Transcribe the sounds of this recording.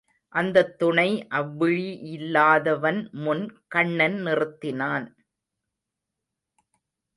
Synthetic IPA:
ʔɐnd̪ɐt̪ːʊɳɐɪʔɐʋːɪɻiʔɪlːaːðɐʋɐnmʊnkɐɳːɐnnɪrɯt̪ːɪnaːn

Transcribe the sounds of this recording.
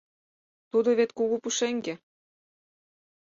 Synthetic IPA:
t̪ud̪oβet̪kuɣupuʃeŋɡĕ

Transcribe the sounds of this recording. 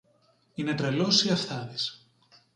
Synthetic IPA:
inet̪ɾelosiɐfθɐðis

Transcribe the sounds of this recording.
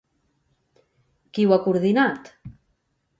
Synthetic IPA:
kiwakuɾðinat̪

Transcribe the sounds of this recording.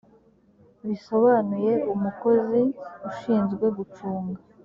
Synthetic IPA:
βiso̞βanuje̞umuko̞ziuʃiːnzɡwe̞ɡut͡ʃuːŋɡa

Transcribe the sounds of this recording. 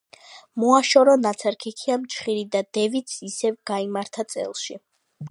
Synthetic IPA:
mɔaʃɔɾɔnat̪sʰɛɾkʰikʰiamt͡ʃʰχiɾid̪ad̪ɛvit̪sʰisɛvɡ̥aimaɾt̪ʰat̪sʼɛ̰lˠʃi

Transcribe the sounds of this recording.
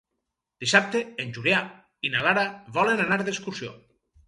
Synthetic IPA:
d̪̥isap̚t̪eenʲʒulja | inalaɾaβɔlenanaɾðeskuɾsio̰

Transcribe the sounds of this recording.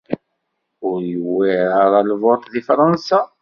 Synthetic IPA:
ʊɾjəwːiɾaɾˤalvot̪ˤðifɾˤɑnsa

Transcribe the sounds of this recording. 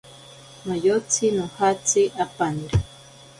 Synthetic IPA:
nojot͡sinõhat͡siʔapaniɾa

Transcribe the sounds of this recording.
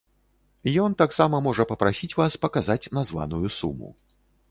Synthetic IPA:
jɔnt̪aksamɐmɔʐɐpɐpɾasʲit͡sʲvaspɐkazat͡sʲnazva̰nujusṵmṵ

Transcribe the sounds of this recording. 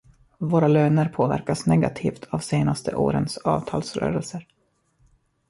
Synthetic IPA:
voːɾaløːnəɾpʰoːvæ̰ɾkasnɛɡat̪ʰiːft̪ʰavseːnast̪ʰəʔoːɾənsɑːvt̪ʰɑːlsɾœ̰ːɾɛlsəɾ

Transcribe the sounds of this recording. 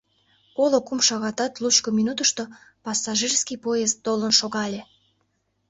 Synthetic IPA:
olokumʃɑɣɑt̪ɑt̪lut͡ɕkominut̪əʃt̪o | pɑsːɑʒirskijpojezt̪ːolənʃoɣɑlʲe

